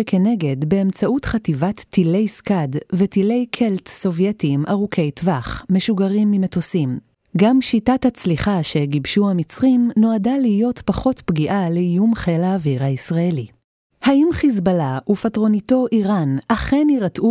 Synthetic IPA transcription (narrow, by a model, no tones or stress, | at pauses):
ekʰe̞ne̞ɡe̞dbe̞ːmt͡saʔutχativatːile̞jskadvetile̞jkʰe̞ltso̞vje̞timʔaʁukʰe̞jtvaχme̞ʃuɡaʁimːime̞tosim | ɡamʃitathat͡sliχaʃe̞ɡibʃuhamit͡sʁimno̞adalihijo̞tpaχo̞tpɡiʔaleijumχelaːviʁhaisʁae̞li | haʔimχizbalaʔufatʁo̞nito̞ʔiʁanʔaχe̞niʁatʔu